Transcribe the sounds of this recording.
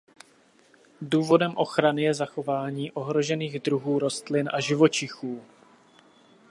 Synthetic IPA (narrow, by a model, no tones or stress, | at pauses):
duːvo̞dɛmʔo̞xɾanɪjɛzaxo̞vaːɲiːʔo̞ɦɾo̞ʒɛniːɣdɾuɦuːɾo̞st̪lɪnʔaʒɪvo̞t͡ʃɪxuː